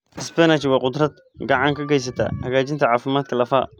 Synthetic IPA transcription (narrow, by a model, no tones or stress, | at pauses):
ʔɪsbɛnat͡ʃwɑːqʊd̪rɐd̪ | ɡɑʕɑŋkʰɐɡɛjs̬ɐt̪ʰa̰ːhɐɣaːt͡ʃɪnt̪ʰɐʕɑːfɪmaːd̪kʰɐlɐfa̰ː